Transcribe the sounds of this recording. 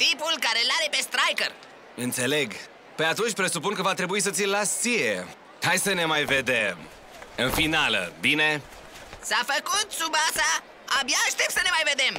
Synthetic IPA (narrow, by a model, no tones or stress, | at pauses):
t̪ipulkaɾelaɾepest̪ɾajkəɾ | ɨnt̪se̞le̞ɡ | pe̞at̪unt͡ʃʲpɾe̞supunkəvat̪ɾe̞buis̬ət̪silasije | hajsəne̞majved̪em | ɨnfinalə̰bine | safəkut̪subasaː | bjaʃt̪epsənemajved̪em